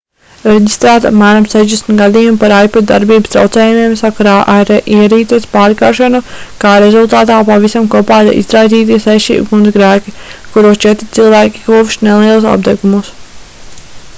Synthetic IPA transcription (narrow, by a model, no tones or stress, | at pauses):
ɾeɟist̪ɾæːt̪apmæːɾamsɛʒd̪ɛsmʲt̪ɡad̪iːjumpaɾajpɔt̪̚d̪a̰ɾbiːbst̪ɾa̰wt̪sɛːjumiɛmsakaɾaːʔaɾiɛɾiːt̪ispaːɾkaːɾʃanukaːɾezulˠt̪aːt̪aːpavisamkuɔpaːiḭzɾajt̪iːt̪̬isɛʃḭːbɡund̪ɡɾæːkʲikuɾuːst͡ʃɛt̪ɾi̥t̪silˠvæːkʲi̥kuːvʃnelˠiɛlˠsa̰b̚d̪ɛɡumus